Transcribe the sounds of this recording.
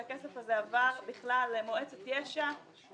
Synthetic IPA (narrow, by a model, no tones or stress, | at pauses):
akesefhazeavaʁbiχlalmoet͡set̪jeʃa